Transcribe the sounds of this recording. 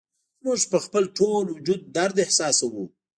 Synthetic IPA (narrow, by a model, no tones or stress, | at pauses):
mʊʐpəxpəlʈolwʊd͡ʒud̪̚ːaɾd̪ɪhsɑsawu